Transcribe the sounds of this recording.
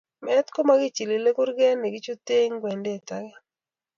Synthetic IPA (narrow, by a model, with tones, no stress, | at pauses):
mɛ˦t̪ko˦ma˦ɡɪ˦t͡ʃi˨li˨le˦kʊ˦ɾɡɛ˦ne˨ɡɪ˦t͡ʃu˦t̪e˦ŋɡwɛ˨nde˦˨ta˦ɡɛ˦